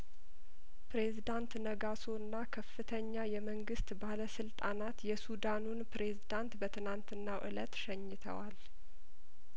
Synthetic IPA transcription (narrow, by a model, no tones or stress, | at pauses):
pɾe̞zid̪ant̪nəɡasoɨnːakʰəfːɨt̪ʰəɲːajɛməŋɡɨst̪baləsɨlt̪ʼanat̪jɛsud̪anunpɾe̞zid̪ant̪bət̪ʰɨnant̪ɨnːaʔɨ̰lə̰t̪ʃɛɲːɨt̪ʰə̰wal